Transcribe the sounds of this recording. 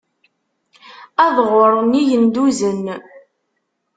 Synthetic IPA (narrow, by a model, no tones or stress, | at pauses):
æðʁʊɾˤnijənd̪uzən